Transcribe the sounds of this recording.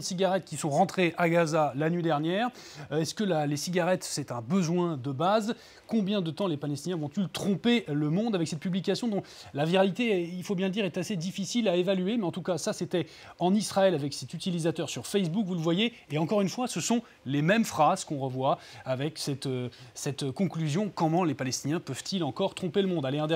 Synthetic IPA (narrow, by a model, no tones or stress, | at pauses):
nsiɡaʁɛt̪̚kʲisɔ̃ʁɑ̃t̪χeʔaɡazalanɥid̪ɛʁnjɛːʁɛskəlalesiɡaʁɛt̪sɛt̪ɛ̃bəzwɛ̃d̪əbaz | kɔ̃bjɛ̃d̪ət̪ɑ̃lepalɛst̪injɛ̃vɔ̃t̪ylt̪χɔ̃peləmɔ̃d̪avɛksɛt̪̚pyblikasjɔ̃d̪ɔ̃ | laviʁalit̪eilfobjɛ̃ləd̪iʁɛt̪ased̪ifisilaevalyemɛɑ̃t̪ukasaset̪ɛ | ɑ̃nisχaɛlavɛksɛt̪yt̪ilizat̪œʁsyʁfɛs̬bukvuləvwajeːɑ̃kɔʁynfwasəsɔ̃ | lemɛmfχaz̥kɔ̃ʁəvwaavɛksɛt̪øsɛt̪kɔ̃klyzjɔ̃kɔ̃mɑ̃lepalɛst̪injɛ̃pœv̥t̪ilɑ̃kɔʁt̪χɔ̃peləmɔ̃d̪aleɛ̃d̪ɛ